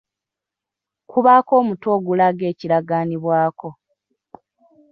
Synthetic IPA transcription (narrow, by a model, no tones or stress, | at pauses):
kʰuβaːko̞ːmuto̞ːɡulaɡe̞ːciɾaɡaːniβwaːko̞